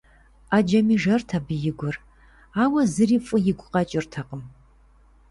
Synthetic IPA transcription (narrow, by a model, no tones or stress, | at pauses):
ad͡ʒɐmiːʐɐrtʰabɨjɪɡʷʊr | aːwɐzɨriːfʼʊjɪɡʷʊqʼɐt͡ʃʼɪrtʰɐqəm